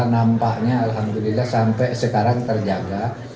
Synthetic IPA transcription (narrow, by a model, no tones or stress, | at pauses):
nampaʔɲaːlɦamd̪ulilːahsampɛsəkaɾaŋt̪ərd͡ʒaɡa